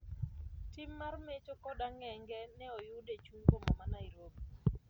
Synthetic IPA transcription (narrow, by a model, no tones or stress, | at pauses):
timːarmet͡ʃokɔdaŋɛŋɡɛnɛɔjudet͡ʃuŋɡomɔmanaiɾob